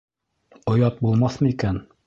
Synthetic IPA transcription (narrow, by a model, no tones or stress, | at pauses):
ŏjɑt̪̚bulˠmɑθmɤikæn